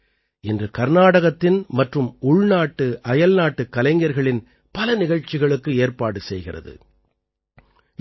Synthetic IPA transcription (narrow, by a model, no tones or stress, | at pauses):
ɛndrɯkɐɾnaːɽɐɣɐt̪ːɪnmɐʈrɯmʊɭnaːʈːɯʔɐjɐlnaːʈːɯkːɐlɐɪŋɡɐɾɣɐɭɪn | pɐlɐnɪɣɐɻt͡ʃːɪɣɐɭɯkːɯeːɾpaːɽɯsɛjɣɪrɐ̰ðɯ̰